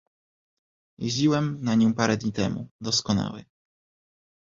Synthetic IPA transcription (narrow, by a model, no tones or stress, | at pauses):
jḛʑd͡ʑiwɛmnaɲɔ̃paɾɛd̪ɲit̪ɛmṵd̪ɔskɔna̰wɛ̰